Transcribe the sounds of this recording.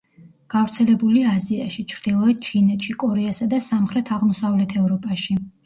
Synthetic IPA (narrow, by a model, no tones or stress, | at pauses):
ɡ̥avɾt̪sʰɛlɛbuliaziaʃit͡ʃʰɾd̪̥ilˠɔɛt̪̚t͡ʃʰinɛt̪ʰʃikʼɔɾɛasad̪asamχɾɛt̪ʰaʁmɔsavlɛt̪ʰɛvɾɔpʼaʃi